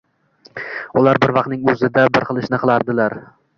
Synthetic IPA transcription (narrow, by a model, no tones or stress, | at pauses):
ʊlaɾbɪɾvɑq̪̚nɪŋɵzɪd̪abɪɾqɨlˠɪʃnɪqʰɨlˠaɾd̪ɪlaɾ